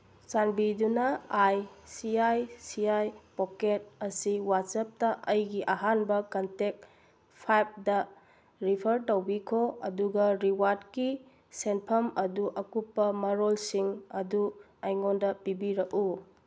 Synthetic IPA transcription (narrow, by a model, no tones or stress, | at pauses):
t͡ʃanbidunɐajsiajsiajpoket̚ɐsiwatsɐp̚tɐʔɐjɡiʔɐɦanbɐkɐntek̚ | pʰajp̚dɐ | ɾipʰɐɾtowbikʰoɐduɡɐɾiwadki | senpʰɐmɐduʔɐkupːɐmɐɾolsiŋɐdu | ɐjŋondɐpibiɾɐku